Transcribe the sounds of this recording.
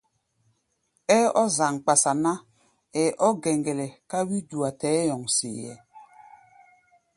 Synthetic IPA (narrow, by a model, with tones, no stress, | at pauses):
ɛ˦ɔ˦za˨ŋk͡pa˨sa˨na˦ | ɛ˨ʔɔ˦ɡɛ˨ŋɡɛ˨lɛ˨ka˦wi˦du˨a˨tɛː˨˦jɔ˨ŋsḛ˨jɛ̰˨